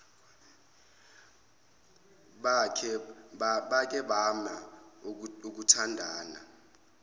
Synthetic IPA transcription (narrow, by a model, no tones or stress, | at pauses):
ɓakʰɛ | ɓak̬ʼɛɓama | uk̬utʰandʱaːna̰